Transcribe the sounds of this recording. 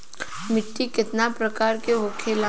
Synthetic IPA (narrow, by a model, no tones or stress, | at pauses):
mɪʈːikɪt̪napɾɐkaːɾkeʋokʰeːla